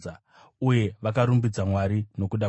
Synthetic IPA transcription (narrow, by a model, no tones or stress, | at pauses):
uje̞ʋakaɾumbid͡zamwaɾino̞kuɗa